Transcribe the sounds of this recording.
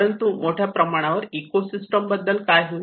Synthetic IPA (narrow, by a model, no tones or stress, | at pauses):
ɾənt̪umoʈʰjapɾəmaɽ̃aʋəɾikosisʈəmbəd̪ːəlkajɦu